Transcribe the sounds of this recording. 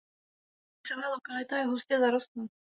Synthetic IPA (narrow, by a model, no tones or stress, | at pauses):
t̪t͡sɛlaːlokalɪt̪ajɛɦuscɛzaɾost̪nu